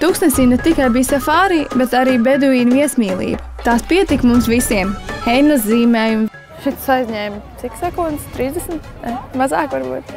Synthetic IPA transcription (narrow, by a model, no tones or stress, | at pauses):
t̪uksnɛsiːnɛt̪ikajbiːsafaːɾiːbɛt̪aɾiːbed̪uiːnviɛsmiːlˠḭːbɐt̪aːspiɛt̪ikmumsʋisiɛmxɛjnazziːmɛːjum | ʃit̪sajzʲɲɛːmsiksɛkund̪st̪ɾiːzd̪esmt̪nɛmazaːkʋaɾbṵːt̪